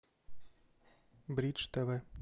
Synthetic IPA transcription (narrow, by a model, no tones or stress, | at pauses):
bɾʲit͡ʃt̪ɛʋɛ